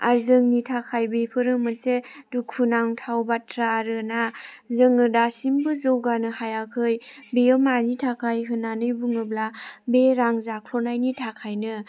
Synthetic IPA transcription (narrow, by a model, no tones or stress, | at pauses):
a̰ɾzɯŋnitʰakʰajbepʰɯɾɯmɯnsedukʰːunaŋtʰawbatʰɾaɾɯna | zɯŋɯdasimbɯzowɡanɯhajakʰɯjbeɯmanitʰakʰajɦɯnanɯjbuŋɯblabeɾaŋzakʰlɔnajnitʰakʰajnɯ